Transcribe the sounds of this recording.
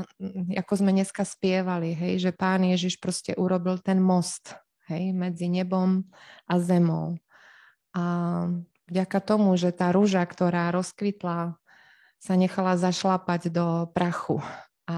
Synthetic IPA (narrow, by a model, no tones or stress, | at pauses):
a̰kɔzmɛɲɛskaspɪɛʋaliɦɛjʒɛpaːnjɛʒiʃpɾɔscɛʔuɾɔbilt̪ɛnmɔst̪ | ɦɛjmɛd͡ziɲɛbɔmʔazɛmɔ̰ʊ | ʔa | vɟakat̪ɔmuʒɛt̪aːɾuʒakt̪ɔɾaːɾɔskʋit̪la | saɲɛxalazaʃlapaɟd̪ɔpɾaxṵ | a